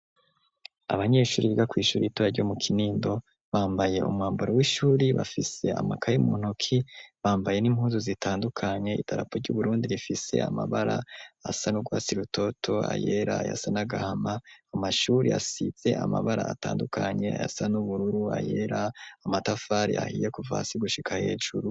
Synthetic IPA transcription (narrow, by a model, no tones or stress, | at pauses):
a̰βaɲe̞ːʃuːɾiβiɡakwiːʃuːɾiitoɾaɾɟo̞mukʰiniːndo̞ | βaːmbaje̞ʔṵmŋaːmboɾowiʃuːɾiβa̰fise̞̰a̰makʰajimuːn̥okʰiβaːmbaje̞nim̥huːzuzitʰaːndukʰaɲe̞ḭtʰaɾapoɾɟuβuɾuːndiɾifise̞̰a̰ma̰βaɾa̰asanuɡwaːt͡siɾutʰo̞tʰo̞a̰jeɾaːja̰sanaɡahamaːmaʃuːɾia̰siz̥e̞ʔama̰βaɾa̰ːta̰ːndukʰaɲe̞a̰ja̰sanuβuɾuɾua̰je̞ɾaːmatafaɾḭʔa̰hijekuva̰ːsiɡuʃikʰahe̞ːʒuɾu